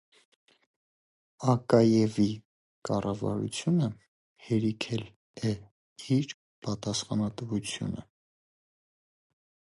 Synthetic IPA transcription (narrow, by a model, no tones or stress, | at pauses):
ɑkɑjɛvi | kɑrɑvɑ̰ɾṵt͡sʰjunə | hɛɾikʰɛl | ɛ | iɾ | pɑt̪ɑsχɑnɑt̪vut͡sʰjṵnə̰